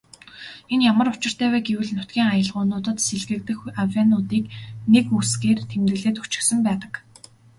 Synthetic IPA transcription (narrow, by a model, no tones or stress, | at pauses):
enjamə̆rʊt͡ɕɪ̆r̥t̪ʰæːwæːɡewɘ̆ɮnʊt̪ɡʲiːŋajə̆ɮʁʊːnʊːt̪ə̆t̪seɮɣɘ̆kt̪ɘ̆xawanʊːt̪iːknekusɡeːrt̪ʰemt̪ɘ̆ɮeːt̪ut͡ɕɪ̥̆xsɘ̆mpæːt̪ə̥̆k